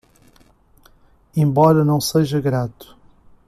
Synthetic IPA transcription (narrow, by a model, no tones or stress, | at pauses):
ẽmbɔɾɐnɐ̃w̃seʒɐɣɾat̪u̥